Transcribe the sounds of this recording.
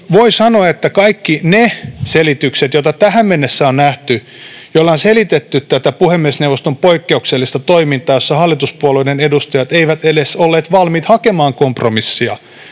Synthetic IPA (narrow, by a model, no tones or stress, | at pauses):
ʋoisɑnoɑet̪ːækɑikːineselit̪ykset̪jot̪ɑt̪æhæmmenːesːæonnæht̪y | jolːɑonselit̪et̪ːyt̪t̪æt̪æpuhemːiesnewʋːˑost̪ompoikːeukselːist̪ɑt̪oimint̪ˑɑːjosːɑhɑlːit̪uspuoleinenedust̪ɑjɑt̪eiʋæt̪edesolːeːt̪ʋɑlmiːt̪hɑkemɑːŋkompromisːiɑ̰